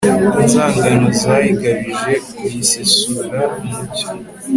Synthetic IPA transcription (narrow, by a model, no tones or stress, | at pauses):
inzaːŋɡanozahiɡaβiʒe̞kuisesuːɾaumuci